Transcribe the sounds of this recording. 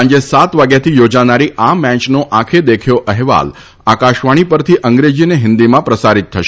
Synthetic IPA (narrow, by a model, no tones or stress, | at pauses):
ɲd͡ʒesat̪ʋaɡjat̪ʰijod͡ʒanaɾiʔamːɛ̃t͡ʃnoʔãkʰed̪ekʰjoʔəɦʋa̰l | akaʃʋaɽ̃ipəɾt̪ʰiʔəŋɡɾed͡ʒineɦɪ̃nd̪imãpɾəsaɾit̪ʰːəʃ